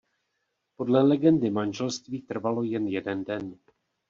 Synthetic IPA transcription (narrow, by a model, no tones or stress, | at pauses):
po̞dlɛlɛɡɛndɪmanʒɛlst̪viːt̪r̩valo̞jɛnjɛdɛndɛn